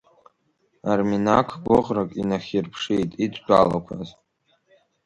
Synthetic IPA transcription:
arminakʰɡʷʊʁrakʼinaχʲirpʰʂejtʼitʷʰʼdʷʼala̰kʷʰaz

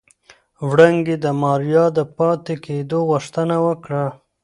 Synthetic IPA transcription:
wɽaŋɡed̪əmɑɾjɑd̪əpɑt̪eked̪oɣʊʂt̪ənawəkɽa

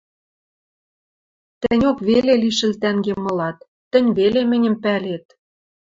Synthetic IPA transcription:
t̪ɘ̆nʲokβeleliʃɘ̆lt̪æŋɡemɤ̆lɑt̪̚ːɘ̆nʲβelemɘ̆nʲə̆mpælet̪̚

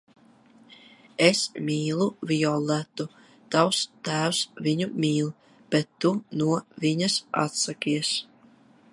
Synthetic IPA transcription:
esmʲiːlˠuviɔlˠːæt̪u | t̪awst̪æːwsviɲumʲiːlˠ | b̥ɛt̪ːunuɔviɲasa̰t̪sakʲiɛs

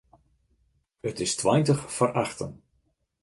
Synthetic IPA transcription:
ətɪstʋajntəχfəɾʔɑχtə̰n

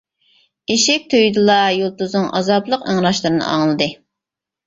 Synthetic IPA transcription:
eʃɪk̚ʲt̪ʰøjd̪ɨlˠɑjolˠt̪uznɨŋʔɑzɑplˠəqəŋɾɑʃlˠɨɾɨnɨ̰ɑ̰ŋlˠɨd̪ɨ

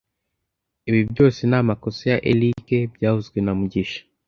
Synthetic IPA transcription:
iβibjo̞ːsenamakosojaʔelikebjaːhuzɡwenamuɟiʃḁ

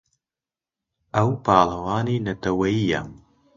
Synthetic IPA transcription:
ɐwpaːlɐwaːninɐt̪ɐwɐija̰m

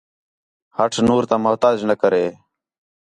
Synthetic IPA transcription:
həʈʰnuːɾt̪ãːmʊɦt̪aːd͡ʒnəkəɾeː

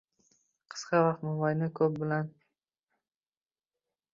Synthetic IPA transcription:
qʰɨ̥sqɑvɑqt̪momajnɪkʰɵp̚bɪlan

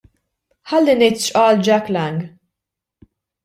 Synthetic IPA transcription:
ħɐlːinɛjt̪ʃʔɐːld͡ʒɐklɛŋɡ

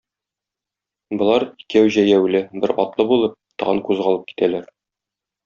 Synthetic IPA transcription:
bŏlˠɑɾikæwʑæjæwlɘbɘɾɒ̰t̪lˠɤbulˠɤp̚t̪ɒʁɤŋkʉzʁɑlˠɤp̚ki̥t̪ʰælæɾ

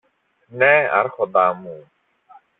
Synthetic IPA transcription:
nɛa̰ɾxɔd̪amuː

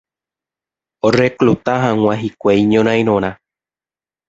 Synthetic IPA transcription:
oreklut̪aɦãŋ̃ʷãɦikʷejɲõɾ̃ãj̃ɾ̃õɾ̃ã

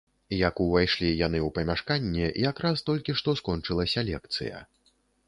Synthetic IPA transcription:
jakuvajʂlʲijanɨuwpɐmʲaʂkanʲːɛʔijakɾast̪ɔlʲkʲiʂt̪ɔskɔnt͡ʂɨlˠɐsʲɐlʲɛkt̪sɨ̰jɐ̰

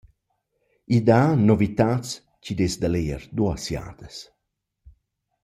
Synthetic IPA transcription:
id̪anɔvit̪at͡s | cid̪esd̪aleə̰ɾd̪uasja̰ːd̪̥əs

